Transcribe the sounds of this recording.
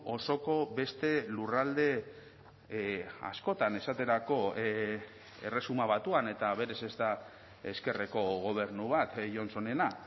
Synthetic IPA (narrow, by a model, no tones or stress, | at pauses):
oso̞ko̞be̞st̪e̞lurald̪e̞ | a̰sko̞t̪ane̞sat̪e̞ɾako̞ | e̞re̞sumaβ̞at̪uane̞t̪aβe̞ɾe̞se̞zd̪a | e̞ske̞reko̞ɣo̞β̞e̞ɾnuβat̪ʝo̞nso̞ne̞na